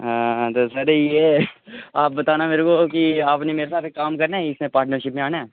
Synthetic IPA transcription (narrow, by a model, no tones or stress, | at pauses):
ɦãːt̪osɐɾeje | aːp̚bɐt̪aːnameːɾekokiaːpnemeːɾesaːt̪ʰekaːmkɐɾnaɪsmẽpaːɾʈnəɾʃɪpmẽaːnaɛː